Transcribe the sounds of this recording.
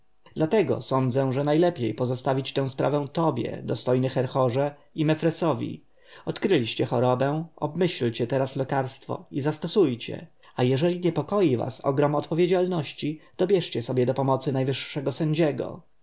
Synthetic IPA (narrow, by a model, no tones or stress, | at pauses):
d̪̥lat̪ɛɡɔ̰sɔnd̪zɛ̃ʐɛnajlɛpʲjejpɔzɔst̪avʲit͡ɕt̪ɛ̃w̃spɾʔa̰vɛ̃w̃t̪ɔbʲjɛ̰d̪ɔst̪ɔjnɘxɛɾxɔʐɛ | imɛfɾɛsɔvʲḭ | ɔt̪kɾɘlʲiɕt͡ɕɛxɔɾɔbɛ̃ɔ̰bmɘɕlt͡ɕɛt̪ɛɾaslɛkaɾst̪fɔ̰izast̪ɔsujt͡ɕɛ̰ | ajɛʐɛlʲiɲɛpɔkɔjiva̰sɔ̰ɡɾɔmɔt̪pɔvʲjed͡ʑalnɔɕt͡ɕid̪̥ɔbʲjɛʂt͡ɕɛsɔbʲjɛd̪ɔpɔmɔt̪sɘnajvɘʂːɛɡɔsɛɲd͡ʑɛɡɔ̰